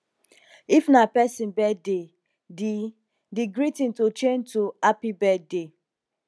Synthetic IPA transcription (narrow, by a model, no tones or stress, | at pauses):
ifnapɛsĩnbɛde | di | diɡɹitĩntot͡ʃẽntuapibɛde